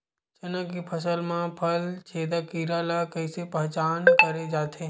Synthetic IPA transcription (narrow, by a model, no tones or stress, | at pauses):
t͡ʃɐnãkipʰɐsəlmãpʰɐlt͡ʃʰeːd̪akiːɾalakɐɪsepɛɦt͡ʃaːnkɐɾed͡ʒaːt̪ʰeː